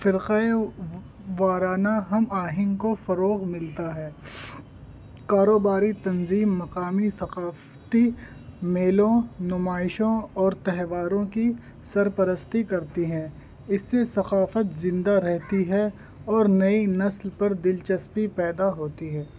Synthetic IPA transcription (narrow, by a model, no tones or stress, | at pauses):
fɪɾqe | ʋaːɾaːnaɦɐmaːɦɪ̃nkofɐɾoːɣmɪlt̪aɦɛː | kaːɾoːbaːɾit̪ɐnziːmːɐqaːmisɐqaːf | t̪i | meːlõnʊmaːɪʃõɔːɾt̪ɛɦʋaːɾõki | sɐɾpɐɾəst̪ikɐɾt̪iɦɛ̃ː | ɪsːesɐqaːfət̪zɪ̃nd̪aɾɛɦt̪iɦɛ | ɔːɾnɐinɐslpɐɾd̪ɪlt͡ʃɐspipɛːd̪aɦoːt̪iɦɛː